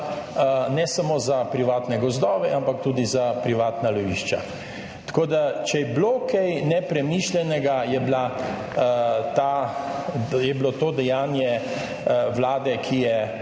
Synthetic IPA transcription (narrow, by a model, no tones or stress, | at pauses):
nɛsamoːzapɾiʋaːt̪nɛɡɔzd̪ɔːʋɛʔampak̚t̪uːd̪izapɾiʋaːt̪nalɔʋiʃt͡ʃa̰ | t̪ḁkoːd̪at͡ʃɛjɛblokɛjnɛpɾɛmiʃlʲɛnɛɡajɛbla | t̪a | jɛblot̪oːd̪ɛjaːnjɛ | wlaːd̪ɛkʰijɛ